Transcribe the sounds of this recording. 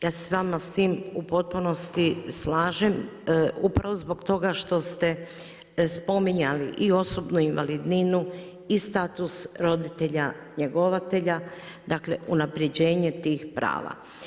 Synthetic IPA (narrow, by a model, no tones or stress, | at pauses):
jaːse̥sʋaːmast̪iːmupo̞t̪̚puno̞st̪islaːʒemupɾaʋozbo̞ɡt̪o̞ɡaʃt̪o̞st̪e̞ | spo̞miɲalḭʔio̞so̞bnuinʋalid̪ninu | ist̪aːt̪usɾo̞d̪it̪e̞ʎa | ɲe̞ɡo̞ʋat̪e̞ʎa | d̪akle̞ʔunapɾjed͡ʑe̞ːɲe̞t̪iːxpɾa̰ːʋa̰